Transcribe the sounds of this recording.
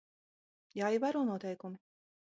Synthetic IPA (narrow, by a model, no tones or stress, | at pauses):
jaːivaɾuːnuɔt̪ɛjkumi